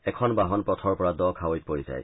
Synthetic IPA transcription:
ɛkʰɔnbaɦɔnpɹɔt̪ʰɔɹpɔɹadɔkʰawojt̚poɹiza̰j

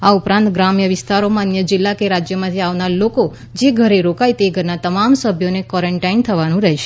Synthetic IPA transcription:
aupɾãnt̪ɡɾamjəʋɪst̪aɾomãənjəd͡ʒɪlːakeɾad͡ʒjəmãt̪ʰiaʋnaɾloko | d͡ʒeɡʱəɾeɾokajt̪eɡʱəɾnat̪əmamsəbʱjonekɔɾəɳʈaint̪ʰəʋanũɾɛɦʃe̥

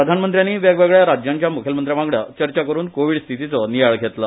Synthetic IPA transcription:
pɾəd̪ʱanmənt̪ɾjanːiːʋeɡʋeɡɭjaɾad͡ʑjaɲt͡ɕjamukʰjəlmənt̪ɾjaʋãŋɡɭjat͡ɕəɾt͡ɕakəɾuːnkoʋiɽst̪ʰit̪it͡sɔnijaɭɡʱet̪la

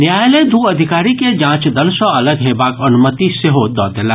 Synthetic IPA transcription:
njaːjled̪uːɐd̪ʱɪkaːɾiked͡ʒãːt͡ʃd̪ɐlsɔ̃ɐləɡɦeːbaːkɐnʊmət̪iseɦod̪ɔːd̪ela

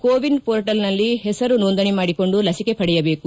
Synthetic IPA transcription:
koːʋiɳɖpoːɾʈɐlnɐlːiɦɛsɐɾunoːnd̪ɐnimaːɽiko̞ɳɖulɐsike̞pɐɽɛjɐbe̞ːku

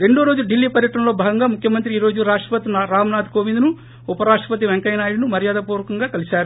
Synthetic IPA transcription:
ɾe̞ɳɖoːɾo̞ːd͡ʒuluɖilːiːpɐɾjɐʈɐnɐlo̞ːbʱaːɡɐŋɡaːmukʰjɐmɐnt̪ɾiiːɾoːd͡ʒuɾaːʂʈɐpɐt̪inɾaːmɐnaːd̪koːʋind̪nu | upɐɾaːʂʈɾɐpɐt̪̬iʋeŋkɐjnaːɽinumɐɾjaːd̪apuːɾɐkɐŋɡaːkɐlisaːɾu

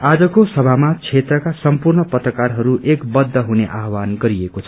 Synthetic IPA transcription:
ad͡zʌkosʌbʱamat͡sʰet̪rʌkasʌmpurɳʌpʌt̪rʌkarɦʌɾuʔekbʌd̪ʱːʌɦuneʔaɦwanɡʌɾiekot͡sʰ

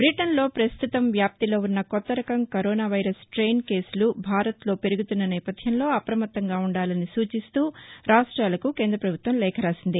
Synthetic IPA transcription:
bɾiʈɐnlo̞ːpɾɐst̪ʰut̪ɐmʋjaːp̚t̪ilo̞ːunːɐkɔt̪ːɐɾɐkɐmkɐɾoːnaːʋɐjɾɐsʈɾeːnke̞ːslubʱaːɾɐt̪lo̞ːpe̞ɾuɡut̪unːɐnɛːpɐd̪ʱjɐmlo̞ːɐpɾɐmɐt̪ːɐŋɡaːuɳɖaːlɐnisuːt͡ʃist̪uːɾaːʂʈɾaːlɐkuke̞ːnd̪ɾɐpɾɐbʱut̪ʋɐmlɛːkʰɐɾaːsind̪i

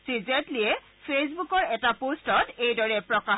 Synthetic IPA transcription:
sizɛtliɛ | pʰesbukɔɹɛtapostɔtejdɔɹɛpɹɔka

